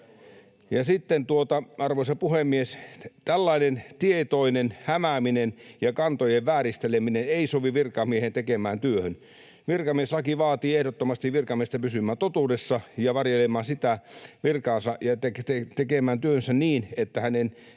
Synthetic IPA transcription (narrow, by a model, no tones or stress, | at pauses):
jɑsit̪ːent̪uot̪ɑɑrʋoisɑpuhemːiest̪ælːɑinent̪iet̪oinenhæmæminenjɑkɑnt̪ojeʋʋæːrist̪elemineneisoʋiʋirkɑmiehent̪ekemæːnt̪yøhøn | ʋirkɑmieslɑkiʋɑːt̪iːehdot̪ːomɑst̪iʋʋirkɑmiest̪æpysymːˑæːnt̪ot̪uːdesːɑjɑʋɑrjelemːɑːnsit̪æʋirkɑːnsɑjɑt̪ekt̪et̪ekemæːnt̪yøhønsæniːnet̪ːæhænen